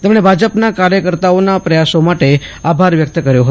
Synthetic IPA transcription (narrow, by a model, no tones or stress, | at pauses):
t̪emɳ̃ebʱad͡ʒəpnakaɾjəkəɾt̪aonapɾəjasomaʈeabʱaɾʋjək̚t̪əkəɾjoɦət̪